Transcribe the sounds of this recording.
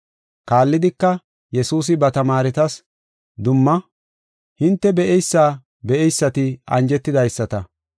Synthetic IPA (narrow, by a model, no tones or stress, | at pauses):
kaːlːɪd̪ɪkːɐ | jɛsuːs̬ɪbɐt̪ɐmaːɾɪt̪ɐs | d̪ʊmːɐ | hɪnt̪ːɛbɛʔɛjsːaː | bɛʔɛjsːɐt̪ɪɐ̰nd͡ʒɛt̪ːɪd̪ɐjsːɐt̪ɐ